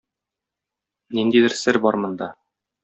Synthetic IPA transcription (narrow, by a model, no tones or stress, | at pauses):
nind̪id̪ɘɾsɘɾbɒɾmɤ̆nd̪ɑ